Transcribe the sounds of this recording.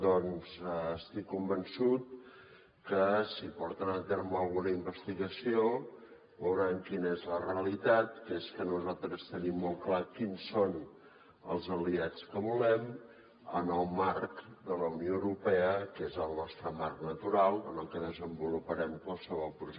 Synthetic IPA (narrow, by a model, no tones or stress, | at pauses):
d̪ɔnzəst̪ikːumbənsut̪̚ | kəsipɔɾt̪ənət̪eɾməːlˠɣunəimbəst̪iɣəsio | βəwɾaŋkinəezləreəlit̪at̪keskənuzalˠt̪ɾəst̪ənimːɔlˠklakinson | ə̰lˠzəliat͡skəβulɛm | ənəlˠmarkd̪ələunioəwɾupɛəkezəlˠnɔst̪ɾəmarknət̪uɾalˠənəlˠkəðəzəmbulupəɾɛmkwalˠsəβɔlˠpɾuʒ